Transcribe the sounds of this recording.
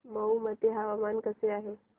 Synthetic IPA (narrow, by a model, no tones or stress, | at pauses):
məumət̪eɦaʋamankəseaɦe